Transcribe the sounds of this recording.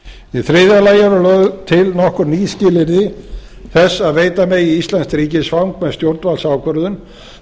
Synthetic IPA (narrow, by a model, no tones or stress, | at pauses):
ɛθɾɪðalaːjaɾʏlœɣɣt̪ʰɪlnɔhkʏɾniːscɪːlɪɾðɪ | θɛsːaðveːjt̪amɛɣiist̪lɛnstɾiːcɪsvawŋkmɛðst̪jowɾt̪nvalsaːwkœɾðʏn